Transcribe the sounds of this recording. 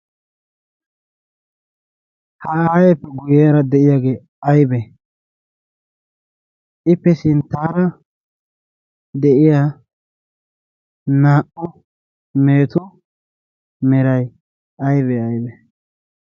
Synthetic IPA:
hɐɐjɛpːɛɡʊjeːɾɐd̪ɛʔɪjaːɡe̞ː | ɐjbɛ | ʔɪpːɛsɪnt̪ːaːɾɐ | d̪ɛʔɪjaː | naːʔʊ | meːt̪ʊ | mɛɾɐj | ɐjbɛɐjbɛ

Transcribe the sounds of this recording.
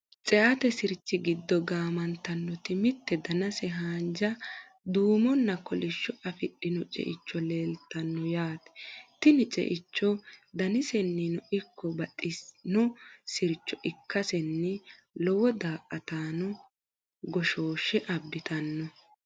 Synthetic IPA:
t͡sʼɛʔɐt̪ɛsɪɾt͡ʃːɪɡɪd̪ːɔɡaːmɐnt̪ɐnːɔt̪ɪmɪt̪ːɛd̪ɐnɐsɛɦaːnd͡ʒɐ | d̪uːmɔnːɐkɔlɪʃːɔʔɐfɪɗːɪnɔt͡ʃʼɛ̰ʔɪt͡ʃːɔleːlt̪ːɐnːɔjaːt̪ɛ̥t̪ɪnɪt͡ʃʼɛ̰ʔɪt͡ʃːɔd̪ɐnɪsɛnːinɔʔɪkːɔbɐtʼːɪsnɔsɪɾt͡ʃːɔʔɪkːɐsɛnːɛ | lɔwɔd̪aːʔʼɐt̪aːnɔ | ɡɔʃoːʃɛʔɐbːɪt̪ɐnːɔ

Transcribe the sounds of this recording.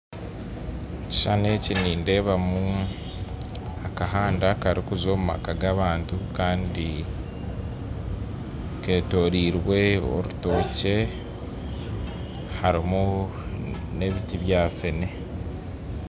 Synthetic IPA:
ci̥ʃane̞ːciniːnde̞ːβamu | akaɦaːndakaɾikuzo̞ːmuma̰kaɡaβaːntukaːndi | ke̞ːto̞ːɾiːɾwe̞o̰ɾuto̞ːce̞ | haɾimu | ne̞βitiβjaːfene̞

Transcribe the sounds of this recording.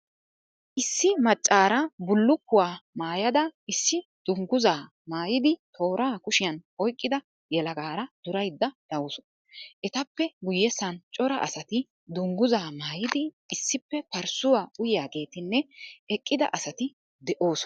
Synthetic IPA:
ʔɪsːɪmɐt͡ʃʼːaːɾɐbʊlːʊkːʊwaːmaːjɐd̪ɐɪsːɪd̪̥ʊŋɡʊzaː | maːjɪd̪ɪt̪ʰo̞ːɾaːkʊʃɪjɐnɔjkʼːɪd̪ɐ | jɛlɐɡaːɾɐd̪̥ʊɾɐjd̪ːɐd̪̥ɐwʊsɔ̥ | ʔɛt̪ɐpːɛɡʊjːɛsɐnt͡ʃʼɔɾɐ̰ʔɐ̰sɐt̪ɪ | d̪ʊŋɡʊzaːmaːjɪd̪ɪː | sːɪpːɛpɐɾsʊwaːʊjɪjaːɡe̞ːt̪ɪnːɛɛkʼːɪd̪ɐ̰ʔɐsɐt̪ɪ | d̪ɛʔo̞ːsɔ̥

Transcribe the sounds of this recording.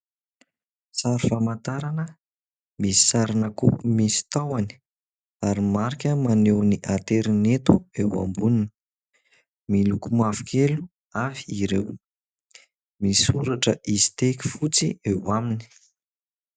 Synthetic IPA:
saɾifamant̪aɾanə | misi̥saɾinakupumisi̥t̪awani̥ | aɾimaɾikʲəmanewniʔat̪eɾinet̪uewa̰mbunini̥ | milukumafu̥kʲʰelu | afiːɾew | misuɾaʈ͡ʂəʔizi̥t̪eki̥fut͡siewamini̥

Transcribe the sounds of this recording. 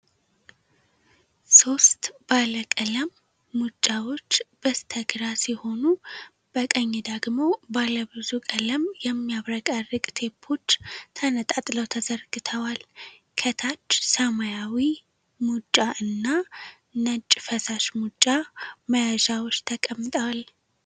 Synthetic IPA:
so̞st̪b̥aləkʼələmː | ut͡ʃʼːawo̞t͡ʃːb̥əst̪ʰəɡɨɾasiho̞nu | b̥əkʼəɲːɪd̪əɡmo̞baləβɨzukʼələmjɛmːijaβɾəkʼarɨkʼt̪ʰe̞pʰːo̞t͡ʃːt̪ʰənət̪ʼat̪ʼləwt̪ʰəzəɾɡɨt̪ʰəwal | kʰət̪ʰat͡ʃːsəmajawi | mut͡ʃʼːaʔɨnːa | nət͡ʃʼfəsaʃmut͡ʃʼːaməjaʒawo̞t͡ʃːt̪ʰəkʼəmːɨt̪ʼəwal

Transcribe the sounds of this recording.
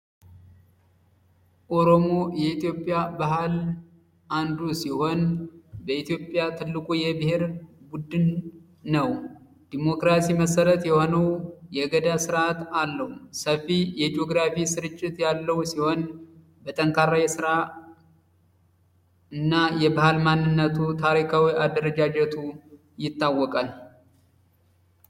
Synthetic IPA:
ʔo̞ɾo̞mo̞jɛit̪jo̞pʼːjabaɦal | ʔand̪usiho̞nbəit̪jo̞pʼːjat̪ʰɨlːɨkʼujɛbɨheɾbud̪ːɨnː | əw | d̪̥imo̞kɾasiməsəɾət̪jɛho̞nəwjɛɡəd̪asɨɾat̪alːəhusəfːijɛd͡ʒo̞ɡɾafisɨɾɨt͡ʃʼːɪt̪jalːəhwsiho̞n | bət̪ʼəŋkʰʼaɾajɛsɨɾa | ɨnːajɛbahalmanːɨnːət̪ʰut̪ʰaɾikʰawiʔad̪əɾəd͡ʒad͡ʒɛt̪ʰu | jɪt̪ːawːɔkʼal

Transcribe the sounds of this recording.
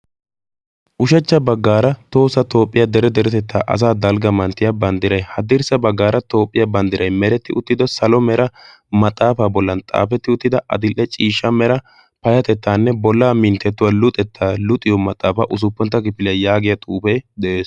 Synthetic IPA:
ʔʊʃɛt͡ʃːɐbɐɡːaːɾɐt̪o̞ːsɐt̪o̞ːpʼːɪjɐd̪ɛɾɛd̪ɛɾɛt̪ɛt̪ʰːa̰ːʔɐ̰s̬aːd̪ɐlɡɐmɐnt̪ːɪjabɐnd̪ɪɾɐjhɐd̪ɪɾsɐbɐɡːaːɾɐt̪o̞ːpʼːɪjɐbɐnd̪ɪɾʔɐjmɛɾɛt̪ːɪʔʊt̪ːɪd̪ɔsɐlɔmɛɾɐ | mɐt̪ʼːaːfaːbɔlːɐnt̪ʼa̰ːfɛt̪ːɪʊt̪ːɪd̪ɐʔɐ̰d̪ɪlʔːɛt͡ʃʼiːʃːɐmɛɾɐ | pɐjɐt̪ɛt̪ːaːnːɛbɔlːaːmɪnt̪ːɛt̪ːʊwaːlʊt̪ʼɛt̪ʰːaːlʊt̪ʼɪjɔmɐt̪ʼːaːfa̰ʔʊs̬ʊpːɔnt̪ːɐkɪpːɪlɪjjaːɡɪjɐt̪ʼuːpɛjd̪ɛʔeːs

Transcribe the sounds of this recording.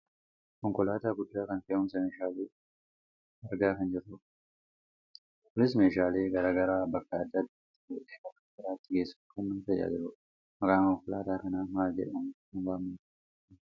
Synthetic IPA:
kɔŋkɔlaːt̪aːɡʊd̪ːaːkɐnfɛɐhʊms̬ɐmeːʃaːleː | ɐɾɡaːkɐnd͡ʒɪɾʊ | ʊlɪsmeːʃaːle̞ːɡɐɾaːɡɐɾaːbɐkːɐɐd̪ːɐd̪t̪ːɪd͡ʒoːʔʼeːkɐkːɐɪɾaːt̪ːɪɡeːsːɐ̥kɐnːɐnfɛja̰d͡ʒɪɾʊ | mɐkʼaːŋkɔŋkɔlaːt̪aːkɐnaːmaːd͡ʒɛ̰ʔʊn | ʊnwaːmɐn

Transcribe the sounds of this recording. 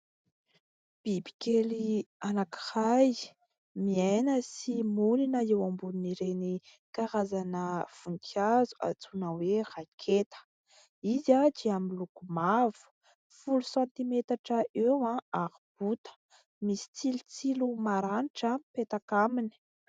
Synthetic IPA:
b̥ibi̥kelianaki̥haj | miajnəsimulinəewambununiɾeni | kaɾazanəv̥uŋkʰazu̥a̰t͡sunəwerakʰet̪ə̥ | izad͡ʒiamilukumavu̥ | fulusãnt̪imet̪aʈ͡ʂəʔewãaɾib̥ut̪ə̥ | misi̥t͡silt͡silumaɾaniʈ͡ʂəpet̪akamini̥

